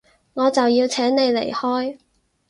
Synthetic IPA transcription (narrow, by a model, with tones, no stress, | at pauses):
ŋɔː˨˧t͡sɐ˨wjiː˧wt͡sʰɛː˨˥ŋne˨˧jle˨˩jhɔː˥j